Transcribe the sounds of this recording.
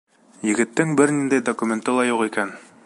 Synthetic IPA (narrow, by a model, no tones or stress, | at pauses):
jɘ̆ɡɘ̆t̪ːɘŋbɘɾnind̪æjd̪okumʲent̪ɤlˠɑjuqikæn